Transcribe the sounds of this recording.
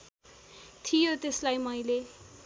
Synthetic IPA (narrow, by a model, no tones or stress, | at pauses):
t̪ʰijot̪eslajmʌjle